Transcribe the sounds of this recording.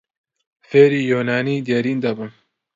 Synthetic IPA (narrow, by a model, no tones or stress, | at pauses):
feːɾiːjoːnaːniːd̪eɾiːnd̪ɐbɨn